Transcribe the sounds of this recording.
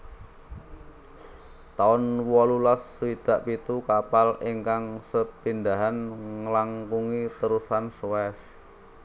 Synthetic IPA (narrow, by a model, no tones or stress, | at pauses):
t̪aʊnwɔlulasːwid̪̥a̤ʔpit̪ukapaliŋkaŋsəpind̪aɦanŋəlaŋkuŋit̪əɾusanswɛf